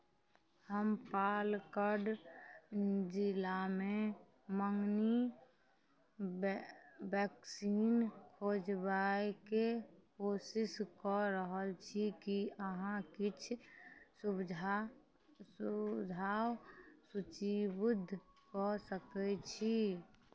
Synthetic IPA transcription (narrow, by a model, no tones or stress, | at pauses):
həmpalkəɾɖ | d͡ʒɪlame | məŋni | bɛksiːnkʰod͡ʒbaekekoːsɪskɔɾəɦəlt͡ʃʰikiəɦãkɪt͡ʃʰsubd͡ʒʱ | d͡ʒʱawsut͡ʃibʊd̪ʱːkɔsəkɛt͡ʃʰi